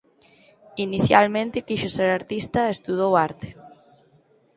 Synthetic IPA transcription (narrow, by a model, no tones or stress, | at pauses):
iniθjalmẽnt̪ɪkiʃoseɾaɾt̪ist̪ɐest̪uð̞owaɾt̪e̥